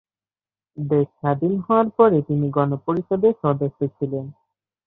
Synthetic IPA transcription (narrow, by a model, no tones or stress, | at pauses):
d̪eʃːad̪inɦɔoaɾpɔɾet̪iniɡɔnopoɾiʃod̪eʃɔd̪oʃot͡ɕʰilen